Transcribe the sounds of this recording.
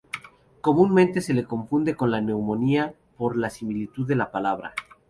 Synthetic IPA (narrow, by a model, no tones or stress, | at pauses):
ko̞mũnmẽnt̪e̞se̞leko̞ɱfund̪e̞ko̞nlane̞wmo̞nia | po̞ɾlasimilit̪uðelapalaβ̞ɾa̰